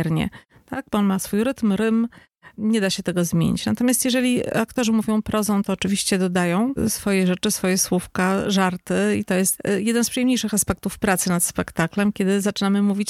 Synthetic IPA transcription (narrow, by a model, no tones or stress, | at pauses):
ɾɲɛ̰ | t̪aɡ̚bɔɔnmasfujɾɘt̪mɾɘm | ɲɛd̪aɕɛt̪ɛɡɔzmʲjḛɲḭt͡ɕnat̪ɔmʲjast̪jɛʐɛlʲiakt̪ɔʐɘmuvʲjɔ̃w̃pɾʔɔzɔ̃w̃t̪ɔːt͡ʂɘvʲiɕt͡ɕɛd̪ɔd̪ajɔ̃w̃sfɔjɛʐɛt͡ʂɘsfɔjɛswufkaʐaɾt̪ɘḭt̪ɔjɛst̪jɛd̪ɛnspʂɨjɛmɲejʂɘxaspɛk̚t̪ufpɾat̪sɘnat̪spɛkt̪aklɛmkʲɛd̪ɘzat͡ʂɘnamɘmuvʲit͡ɕ